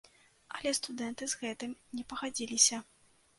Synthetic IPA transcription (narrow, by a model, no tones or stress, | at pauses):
ɐ̰lʲɛst̪ud̪ɛnt̪ɨzɣɛt̪ɨmnʲɛpɐɣad͡zʲilʲisʲɐ